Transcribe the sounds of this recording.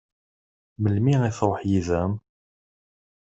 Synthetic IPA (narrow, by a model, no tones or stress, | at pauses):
məlmiiθɾˤoħjiðæm